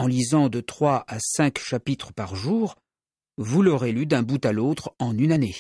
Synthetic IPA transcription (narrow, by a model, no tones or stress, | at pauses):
ɑ̃lizɑ̃d̪ət̪χwaʔasɛ̃kʃapit̪χəpaʁʒuːʁ | vulɔʁelyd̪ɛ̃but̪alot̪χɑ̃nynane